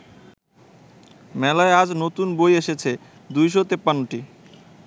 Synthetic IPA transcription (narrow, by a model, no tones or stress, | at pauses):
mɛlaead͡ʑnot̪unbojeʃet͡ɕʰe | d̪ujʃ̬ot̪epːanːoʈi